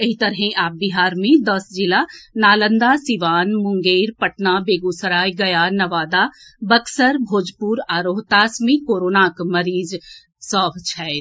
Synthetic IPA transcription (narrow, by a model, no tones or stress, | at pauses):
ɐɦit̪əɾɦẽʔaːp̚biɦaːɾmẽd̪əsd͡ʒilanaːlənd̪asiʋaːnmʊŋɡeːɾpəʈnabeːɡusəɾaːjɡɐjanɐʋaːd̪abəksəɾbʱoːd͡ʒpuɾaːɾoɦt̪aːsmikoːɾoːnakməɾiːd͡ʒ | sɔːbt͡ʃʰɛ